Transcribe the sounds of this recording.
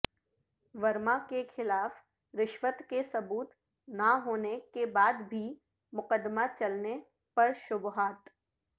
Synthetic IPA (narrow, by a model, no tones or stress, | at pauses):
ʋɐɾmakexɪlaːf | ɾɪʃʋət̪kesɐbuːt̪ | naɦoːnekebaːd̪bʱi | mʊqəd̪mat͡ʃɐlne | pɐɾʃʊbɦaːt̪